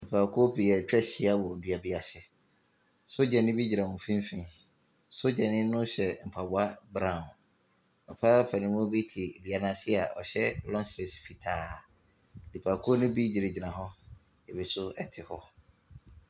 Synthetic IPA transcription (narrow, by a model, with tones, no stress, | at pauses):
li˨pʰa˨kʰo˦pʰi˨ɛ˨t͡ɕᶣɛ˦ɕi˦a˦bɔ˨dɥa˨bi˦a˨ɕɛ˦ | so˦d͡ʑɛ˨nɪ̃˦bi˦d͡ʑi˨ɾã˨wũ˨fĩ˦m˦fĩ˦ | so˦d͡ʑɛ˨nɪ̃˦nʊ̃˦ɕɛ˨m̩˨pʰa˨bʊ˨˦a˦bɾã˨n | ɔ˨pʰa˦pʰa˨nɪ̃˦mʊ̃˦bi˦tʰɪ˨dɥa˨nã˦sɪ˦a˨ɔ̰˨ɕɛ˦lɔ̃˦nstɾe˨sfi˨tʰaː˨ | li˨pʰa˨kʰu˦o˦nʊ̃˦bi˦d͡ʑi˨ɾɪ˨d͡ʑi˨nã˨ɦɔ̃˦ | ɛ˨bi˨sʊ˦ɛ˦tʰɪ˨hɔ˦